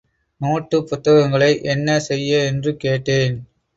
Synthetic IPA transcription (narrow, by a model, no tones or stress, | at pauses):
noːʈːɯpːʊt̪ːɐɣɐŋɡɐɭɐɪʔɛnːɐsɛjːɐɛndrɯkeːʈːeːn